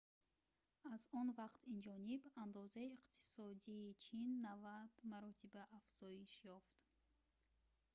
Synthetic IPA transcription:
azɔnvaqt̪ind͡ʒɔniband̪ɔzaiːqt̪ʰi̥sɔd̪iːt͡ʃʰinːavad̪̥maɾɔt̪ʰibaʔːfz̥ɔiʃjɔft̪

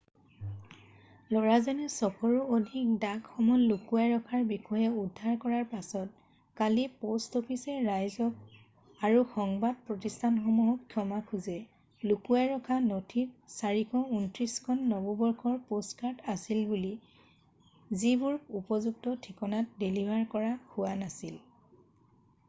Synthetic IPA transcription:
lɔɹazɔnɛsɔkʰɔɹuodʱik̚daɡxɔmɔlːukuaɹɔkʰaɹbixɔjɛudʱːaɹkɔɹaɹpasɔt̚ | kalipostopʰisɛɹajzɔk̚ | aɹuxɔŋbad̚pɹɔtistʰanxɔmuɦɔkkʰːjɔmakʰuzɛ | lukuaɹɔkʰanɔtʰip̚saɹikʰɔuntɹiskʰɔnːɔbɔbɔɹkʰɔɹpostkaɹtasilbuli | zibuɹkupɔzuk̚tɔtʰikɔnat̚delibʱaɹkɔɹaxuwanasil

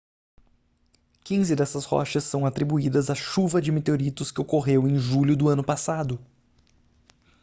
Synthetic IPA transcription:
kĩzɪd̪ɛsɐshɔ̰ʃɐsːɐ̃w̃at̪ɾibuid̪ɐzaʃuvɐd͡ʒɪmet̪eoɾit̪ʊskɪokoɦewẽj̃ʒuʎʊd̪ʊɐ̃nʊpasad̪ʊ

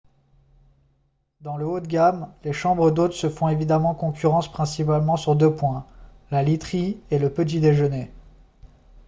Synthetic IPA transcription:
d̪ɑ̃ləot̪ɡʲamleʃɑ̃bʁəd̪ot̪χsəfɔ̃evid̪amɑ̃kɔ̃kʲyʁɑ̃spχɛ̃sipalmɑ̃syʁd̪øpwɛ̃ | lalit̪χieləpət̪̬id̪eʒəne

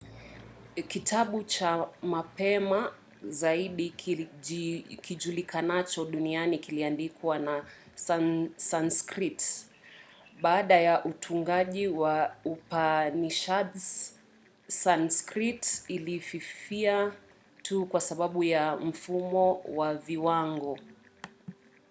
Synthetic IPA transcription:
kitʰaɓut͡ʃamapɛma | zaiɗi | kiʄulikʰanat͡ʃɔɗunianikiliandikwana | sasanskɾit | ɓaːɗajaʔutʰuŋɡaʄiwaupaniʃatz | sanskɾitilififia | tʰukwasaɓaɓujam̩fumɔwaviwaŋɡɔ

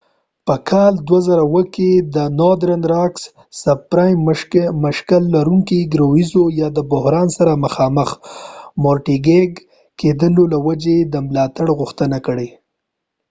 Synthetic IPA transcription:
pəkʰɑld̪wazaɾawəked̪ənod̪ɾənɾɑks | sab̚pɾɑjmməʃkalːaɾuŋkiɡɾawizojɑd̪əbʊhɾɑnsaɾaməxɑməxmoɾʈiɡeɡ | ked̪əlolawad͡ʒed̪əmlɑt̪aɽɣʊxt̪ənakəɽe

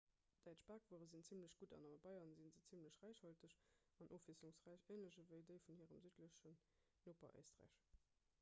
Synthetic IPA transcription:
d̥æɪtt͡ʃb̥aːkv̥uəʁəzint͡simləɕɡ̥udɑ̰nɑməbɑɪɐnzinzət͡sʰimləɕʁæɪʃhɑltəɕ | ɑnʔoːfisuŋsʁæɪʃeːnləɕəvəɪdəɪfunhiːʁəmzytləɕən | noːpɐ̰ʔḛːstʁæ̰ːɪʃ

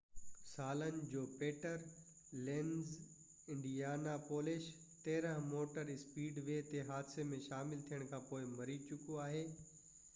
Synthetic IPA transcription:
saːlənɪ̆d͡ʑoːpeːʈəɾ | lẽːnz | ɪ̃ɳɖijaːnapoːlɪʃ | t̪eːɾə̃ɦmoːʈəɾɪspiːɖʋet̪eɦaːd̪semẽʃaːmɪlt̪ʰijəɽ̃kʰãːpoːɪmɐɾit͡ɕʊkoaːɦeː

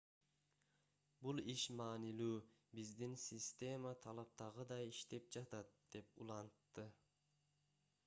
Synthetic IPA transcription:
bulˠiʃmɑːnilʲuːbizd̪insʲisʲt̪ʲe̞mat̪ʰɑlˠɑp̚t̪ɑʁɯd̪ɑjiʃt̪e̞p̚d͡ʒɑt̪ɑt̪̚d̪̥e̞pulˠɑnt̪ːɯ

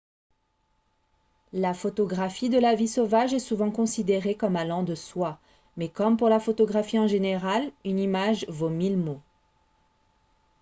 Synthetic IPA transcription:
lafot̪ɔɡʁafid̪əlavisovaʒɛsuvɑ̃kɔ̃sid̪eʁekɔmalɑ̃d̪əswa | mɛkɔmpuʁlafot̪ɔɡʁafiɑ̃ʒeneʁalynimaʒvomilmo

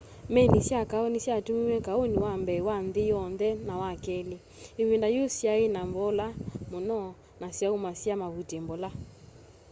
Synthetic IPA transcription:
mɛnisakaɔnisjatumiwɛkaoniwambɛwanðɪjɔnðɛnawakɛli | eβindajosjaenambɔlamonɔ | nasjaumasjamaβutembɔla

